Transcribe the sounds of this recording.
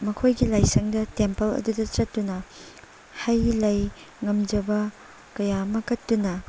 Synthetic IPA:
mɐkʰojɡilajsɐŋdɐtempɐlɐ̰dudɐt͡ʃɐt̚tːunɐ | hɐjlɐj | ŋɐmd͡ʒɐbɐ | kɐjamɐkɐtːunɐ

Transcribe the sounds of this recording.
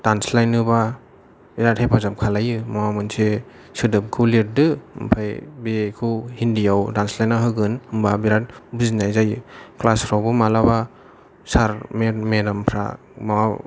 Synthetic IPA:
d̥anslajnɯba | biɾat̚hepʰazamkʰalajɯmawamɯnse | sɯdɯp̚kʰulit̚dɯpʰajbekʰɯhindijawdanslajnːaɦɯɡɯnɯmbabiɾat̚buzinajzajɯklasɾawbɯmalaba | saɾmemedampʰɾa̰ | mawa

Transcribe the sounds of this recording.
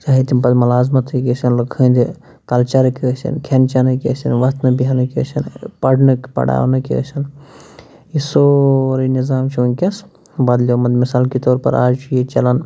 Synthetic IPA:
t͡ʃaːɦit̪impɐd̪mɐlaːzmɐt̪ʰɨkisɐnləkʰə̃nd̪i | t̪ɐlt͡ʃɐɾkiəsɐ̰nkʰent͡ʃanɨkiəsɐnʋɐst̪nɨbiɦɐnɨkiə̰t͡ʃʰɐnpɐɽnɨkpɐ̰ɽa̰ːʋnɨkiə̰sɐn | isoɾinizaːmt͡ʃʰunkʲɐs | bɐd̪lʲomɐd̪misaːlkit̪oːɾpɐ̰ɾaːd͡ʒt͡ʃjit͡ʃɐlɐn

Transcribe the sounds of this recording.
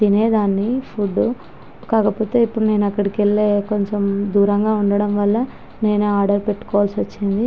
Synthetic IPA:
d̪ine̞ːd̪aːnːipʰuɖː | kaːkɐpoːt̪e̞ːipːuɽune̞ːnuɐkːɐɽikelːeːko̞ɲt͡ʃɐmd̪uːɾɐŋɡaːuɳɖɐɽɐmʋɐlːɐ | ne̞ːnuaːɾɖɐɾpe̞ʈːu̥kɔːʋaːlsʋɐt͡ʃːind̪i

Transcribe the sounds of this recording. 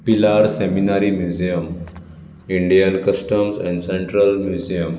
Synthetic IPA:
pilaɾseminaɾimjud͡ʑijəm | iɳɖijənkəsʈəmsɛ̰̃ɳɖsẽɳʈɾəlmjud͡ʑijəm

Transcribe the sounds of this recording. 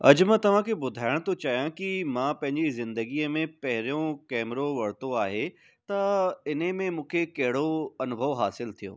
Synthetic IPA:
ɐ̰d͡ʑmãt̪ɐʋ̤ãkʰebʊd̪ʱaːɪɽ̃t̪ʰot͡ɕaːjãkimãːpɐ̃ɦɪ̃ɲd͡ʑizɪ̃nd̪əɡiəmẽpɐɦɪɾjõkɛːmɾoʋɐɽ̤t̪oaːɦe | t̪ɐɪn̤emẽmũːkʰekɐɦɪɽoɐnʊbʱəʋɦaːsɪlt̪ʰijõ̰ː

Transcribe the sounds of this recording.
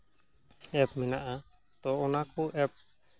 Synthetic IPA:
ɛp̚mɛnaʔa | t̪ɔːnakuʔɛp̚

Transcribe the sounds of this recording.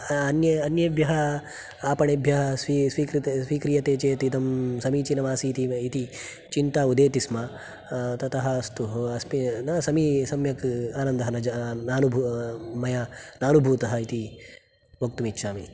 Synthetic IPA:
ɐnjɐɐnjɐbʱjɐɦɐ | aːpɐɳɐbʱjɐɦɐsisʋiːkɾit̪sʋiːkɾijɐt̪eːt͡ʃeːt̪it̪ɐmsɐmiːt͡ʃinɐmaːsit̪iit̪i | t͡ʃint̪aːud̪eːt̪isma | t̪ɐt̪ɐɦɐ̆ɐst̪uɦɐsminɐsɐmisɐmjɐkaːnɐnd̪ɐɦɐnɐd͡ʒɐnaːnubʱumɐjaːnaːnubʱuːt̪ɐɦɐit̪i | bʱɐk̚t̪umitːʃʰaːmi

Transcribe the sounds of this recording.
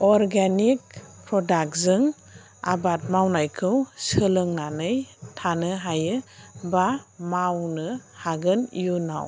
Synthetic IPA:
ɔɾɡanik̚pʰɾɔdak̚zɯŋ | a̰bat̚mawnajkʰɯwsɯlɯŋnanɯjtʰanɯɦajɯbamawnɯhaɡɯnjuna̰w

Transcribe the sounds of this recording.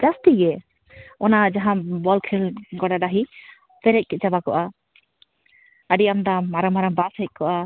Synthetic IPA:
d͡ʒast̪iɡɛ | ɔnad͡ʒaɦãbɔlkʰilɡɔɖaɖaɦi | pɛɾɛc̚kɛt͡ʃabakɔʔa | əɖiamd̪amaɾəmaɾəmbashɛc̚ˀkɔʔa

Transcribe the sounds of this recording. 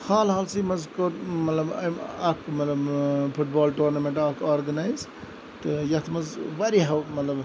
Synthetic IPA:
haːlɦaːlsimɐzkomɐt̪lɐbɐɐkmɐt̪lɐbpʰuʈ̚baːlʈuːɾnɐmeɳʈaːkoːɾɡɐnajz | t̪ɨjɐt̪ʰmɐzʋɐɾiɦɐwmɐt̪lɐb

